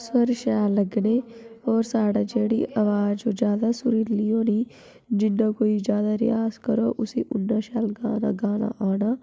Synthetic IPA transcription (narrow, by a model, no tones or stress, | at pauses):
swəɾʃaːləɡneːɔːɾsaːɽaːd͡ʒeːɽḭʔaʋaːd͡ʒod͡ʒjaːd̪asʊɾilijõːniː | d͡ʒɪnːãːkoːid͡ʒjaːd̪aɾɪ̰jaːskəɾoːʔʊsḛʔʊnːãːʃaːlɡaːna̰ːɡaːna̰ʔaːnaː